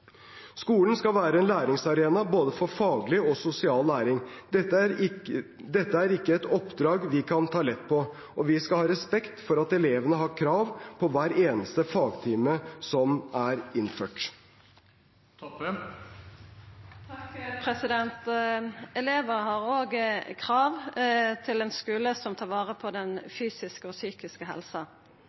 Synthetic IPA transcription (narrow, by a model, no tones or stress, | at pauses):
skuːlən̩skɑʋæːɾəɛnlæːɾɪŋsɑɾeːnɑboːd̪əfɔɾfɑːɡlɪɔsʊsɪɑːlːæːɾɪŋ | d̪ɛt̪ːəæɾɪkːəɛt̪ɔpːd̪ɾɑːɡʋɪkʰɑnt̪ʰɑːlɛt̪ːpʰɔ | ɔʋɪskɑlhɑːɾɛspɛkt̪fɔɾɑt̪ɛleːʋənəɦɑːkʰɾɑːʋpʰɔʋæːɾeːnəst̪əfɑːɡt̪ʰiːməsɔmæɾɪnføːʈ | t̪ʰkpʰɾɛsɪd̪ɛnt̪ | ɛleːʋəhɑʁoːɡəkʰʁɑːʋt̪ʰɪlɛnskʉːləsɔmt̪ʰɑːʁʋɑːʁəpʰɔd̪ɛnfyːsɪskəɔsyːkɪskəɦɛ̰lsɑ